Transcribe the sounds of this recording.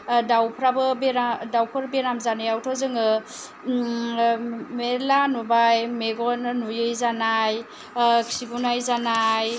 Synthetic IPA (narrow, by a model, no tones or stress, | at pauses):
dawpʰɾabɯbeɾadawpʰɯɾbeɾamzanɯjawtʰɔzɯŋɯ | melanubajmeɡɔnɯnujɯjzanaj | kʰiɡunajzanaj